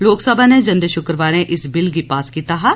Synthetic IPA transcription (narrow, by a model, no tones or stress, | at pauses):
loːksɐbʱaned͡ʒɐ̃nd̪əʃʊkɾəʋaːɾẽʔɪsbɪlɡipaːskiːt̪aɦɛ